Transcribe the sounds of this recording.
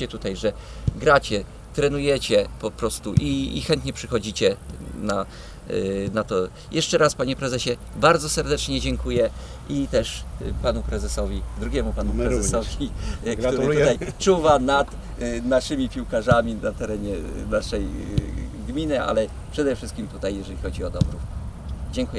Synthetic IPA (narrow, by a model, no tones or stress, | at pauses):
ɛt̪ut̪ajʐɛ | ɡɾat͡ɕɛ | t̪ɾɛnujɛt͡ɕɛpɔpɾɔst̪uʔḭːxɛnt̪ɲɛpʂɘxɔd͡ʑit͡ɕɛna | nat̪ɔ | jʔɛʂt͡ʂɛɾaspaɲɛpɾɛzɛɕɛ | baɾd̪zɔsɛɾd̪ɛt͡ʂɲɛd͡ʑɛŋkujɛ | ʔit̪ɛʂpanupɾɛzɛsɔvʲid̪ɾuɡʲɛmupanupɾɛzɛsɔvʲiɡtt̪uɾt̪ut̪ajt͡ʂuvanat̪ | naʂɘmʲipʲiwkaʐamʲinat̪ɛɾɛɲɛnaʂɛj | ɡmʲinɘa̰lɛ | pʂɛd̪ɛfʂɘst̪kʲimt̪ut̪ajːɛʐɛlʲixɔd͡ʑiɔd̪ɔbɾuf | d͡ʑɛŋkujɛ